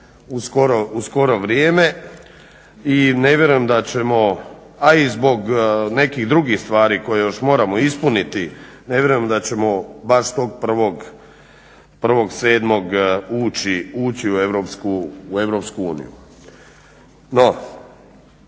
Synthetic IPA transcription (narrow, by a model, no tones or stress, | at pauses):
uskoɾousko̞ɾo̞ʋɾjeːme̞ | ine̞ʋʲje̞ɾujemd̪at͡ɕe̞mo̞ | aizbo̞ɡne̞kiɣd̪ɾuɡixst̪ʋaːɾiko̞jejo̞ʃmo̞ːɾamo̞ispunit̪i | ne̞vʲje̞ɾujemd̪at͡ɕe̞mo̞baʃt̪o̞ɡ̚pr̩ʋo̞ɡ | pr̩ʋo̞ɡse̞ːd̪mo̞ɡuːt͡ɕiuːt͡ɕiue̞ʋɾopskuue̞ʋɾo̞pskuuːnḭjṵ | no̞